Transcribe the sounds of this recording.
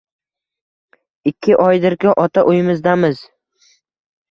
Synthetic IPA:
ɪkʲʰːɪʔɒjd̪ɪɾkʲɪʔɒt̪ʰaʔʊjɪmɪzd̪amɪz

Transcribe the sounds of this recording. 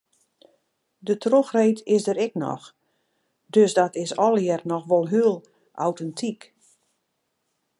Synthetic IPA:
dətroxreːtɪsdəɾɛknɔ̰x | døsdɔtɪsɔlˠjɛrnɔxʋɔlˠɦyəlˠ | ʔa̰wtɛntʰik

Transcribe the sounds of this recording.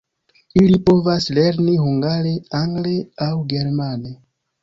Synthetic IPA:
ilipo̞vasle̞ɾniɦuŋɡaɾe̞aŋɡle̞awɡe̞ɾmane̞

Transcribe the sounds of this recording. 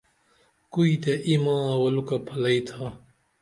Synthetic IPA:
kuit̪eʔimãːwɐlukapʰɐlɐit̪ʰa

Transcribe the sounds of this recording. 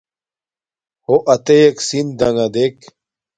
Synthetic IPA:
hoʔɐt̪ejeksind̪ɐŋɐd̪ek

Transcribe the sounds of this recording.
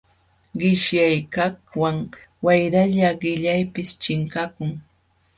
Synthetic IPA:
ɢɪʃjajkahwaŋ | wajɾaʎaɢɪʎajpɪst͡ʃɪŋkakʊŋ

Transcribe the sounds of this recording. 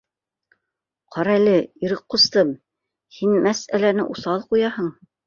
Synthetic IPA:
qʰɑɾælɘiɾɤqːŏst̪ɤm | hinmæsælænɘ̰ʔusɑlˠqujɑhɤɴ

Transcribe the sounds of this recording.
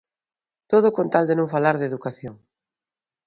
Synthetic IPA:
t̪oð̞ʊkont̪ald̪enõŋfalaɾðeðukaθjoŋ

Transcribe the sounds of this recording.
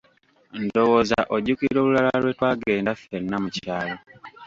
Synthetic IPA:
ndo̞woːza̰ʔoɟukiɾo̞ːlulalalwe̞twaːɡe̞ːndafeɾnamucaːlo

